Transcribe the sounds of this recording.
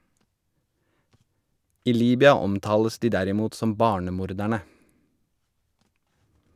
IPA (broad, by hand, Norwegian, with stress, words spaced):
ˈiː ˈliːbʏɑ ˈɔmˌtɑːləs ˈdiː ˈdæɾɪˌmuːt ˈsɔm ˈbɑːɳəˌmuːɾˌdæɳə